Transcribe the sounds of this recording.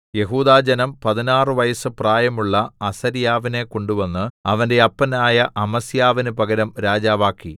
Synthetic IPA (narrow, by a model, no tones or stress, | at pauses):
je̞ɦuːðaːd͡ʑɐnɐmpɐðinaːrɨʋɐjɐsɨpraːjɐmuɭːɐɐsɐɾijaːʋine̞ko̞ɳɖuʋɐnːɨɐʋɐnde̞ɐpːɐnaːjɐʔɐmɐsijaːʋinɨpɐɡɐɾɐmɾaːd͡ʑaːʋaːkːi